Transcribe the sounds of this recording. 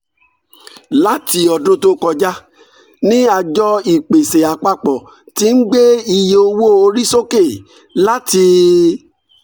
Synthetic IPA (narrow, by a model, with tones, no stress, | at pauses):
la˦ti˧ɔ˨dõ˦to˧kɔ˧d͡ʒa˦ | nĩ˦a˧d͡ʒɔ˦i˨k͡pe˨se˨a˨k͡pa˧k͡pɔ˨ | ti˦n̩˦ɡ͡be˦i˧je˧o˧wo˦˨o˧ɾi˦so˦ke˦˨ | la˦ti˧